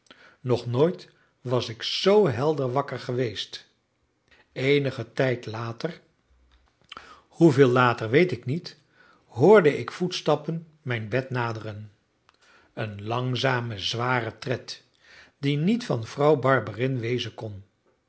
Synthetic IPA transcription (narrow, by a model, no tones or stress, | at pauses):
nɔχnoːjt | ʋɑsɪksowɦɛlˠdəɹʋɑkəɹχəʋejst | ejnəχətɛjtlaːtər | huvɪːlˠaːtərʋejtɪknit | ɦʊːɹdəʔɪkfutstɑpən | mɛjnbɛtnaːdərən | ənlɑŋzaːməzʋaːrətrɛt | dinitfɑnv̥rɑwbɑɹbərɪnʋejzənkɔn